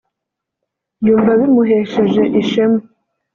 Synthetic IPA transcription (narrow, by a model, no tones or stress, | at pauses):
juːɱvaβiɾmuɦeːʃeʒe̞ʔiʃemu